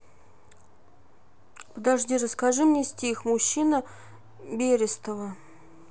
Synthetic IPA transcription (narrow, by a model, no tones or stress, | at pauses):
pəd̪aʐdʲiɾəskaʐɨmnʲesʲtʲixmʊɕːinə | bʲeɾʲɪst̪əvə